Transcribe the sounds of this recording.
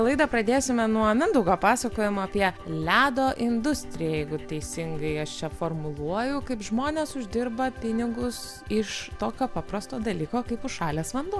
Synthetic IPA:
lˠɐɪd̪ɐpɾɐd̪ʲeːsʲɪmʲɛnuɔmʲɪnd̪ʊɡoːpɑːsɐkoːjɪmɐːpʲiɛlʲæːd̪oːʔɪnd̪ʊsʲt̪ʲɾʲɪjɛjɛɪɡʊt̪ʲɛɪsʲɪŋɡɐɪɐʃt͡ʃʲɛfoːrmʊlˠuɔjʊkɐɪpʒmoːnʲeːsʊʒʲd̪ʲɪrbɐpʲɪnʲɪɡʊs | ɪʃt̪oːkʲoːpɑpɾɐst̪oːd̪ɐlʲiːkoːkɐɪpʊʃʃɑːlʲeːsʋɐnd̪uː

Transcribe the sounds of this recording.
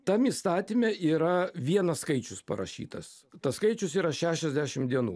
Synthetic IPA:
t̪ɐmiːst̪ɑːt̪ʲimʲɛiːɾɐʋʲiɛnɐsskɐɪt͡ʃʲʊspɐ̰ɾɐ̰ʃʲḭːt̪ɐs | t̪ɐskɐɪt͡ʃʲʊsiːɾɐʃʲæːʃʲɛzʲd̪ʲæʃʲɪmd̪ʲiɛnṵː

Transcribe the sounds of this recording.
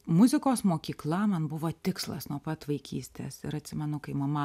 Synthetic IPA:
mʊzʲɪkoːsmoːkʲiːklˠɐmɐnbʊʋoːt̪ʲɪkslˠɐ̰snuɔpɐt̪ʋɐɪkʲʰiːsʲt̪ʲḛsɪɾɐt̪ʲsʲɪmʲɛnʊkɐɪmɐmɐ

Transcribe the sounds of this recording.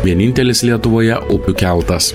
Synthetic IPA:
ʋʲiɛnʲɪnʲt̪ʲɛlʲɪslʲiɛt̪ʊʋoːjɛʔʔʊpʲʊkʲælˠt̪ɐs

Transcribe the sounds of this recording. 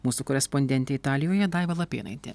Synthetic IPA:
muːsukɔːɾʲɛspɔnʲd̪ʲɛnʲt̪ʲɛɪt̪ɑːlʲɪjoːjɛd̪ɑɪʋɐlˠɐpʲeːnɐ̰ɪt̪ʲɛ̰

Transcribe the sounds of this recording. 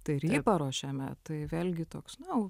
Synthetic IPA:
t̪ɐɪrʲiːpɐɾoːʃʲæːmʲɛt̪ɐɪʋʲeːlʲɡʲɪt̪oːksnɐʊ

